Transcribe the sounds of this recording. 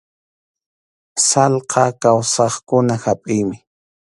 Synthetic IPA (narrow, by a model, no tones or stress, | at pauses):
salqʰɑkawsɑχkʊnahapʼɪjmɪ